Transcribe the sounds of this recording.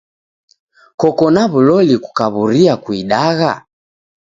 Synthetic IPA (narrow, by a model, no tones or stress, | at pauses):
kɔkɔnaβulɔliku̥kaβuɾiakuiɗaɣa